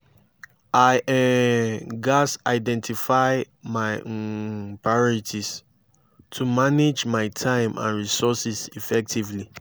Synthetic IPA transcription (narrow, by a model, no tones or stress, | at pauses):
ʔaɪʔɛ̃ | ɡasaɪdɛ̃ntʰifaɪ | maɪ | pɹajɔɹitʰis | tʰumaned͡ʒmaɪtʰãɪ̃mã̰nɹisɔsisifɛk̚tʰivli